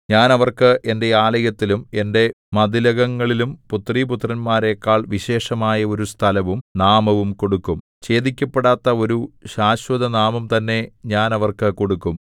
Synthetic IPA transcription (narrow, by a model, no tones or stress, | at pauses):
ɲaːnɐʋɐrkɨʔe̞nde̞aːlɐjɐt̪ːilume̞nde̞ | mɐd̪ilɐɣɐŋːɐɭilumput̪riput̪ːrɐnmaːɾe̞kːaːɭʋiɕe̞ːʂɐmaːjɐo̞ɾust̪ʰɐlɐʋumnaːmɐʋumko̞ɽukːum | t͡ɕe̞ːd̪ikʲːɐpːeɽaːt̪ːɐo̞ɾuɕaːɕwɐd̪ɐnaːmɐmt̪ɐnːe̞ɲaːnɐʋɐrkɨko̞ɽukːum